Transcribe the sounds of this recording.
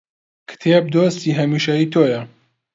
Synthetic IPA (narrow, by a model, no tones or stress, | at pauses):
kʰɨ̥t̪ʰeːb̚d̪oːst̪iːɦɐmiːʃɐjiːt̪ʰoːjɐ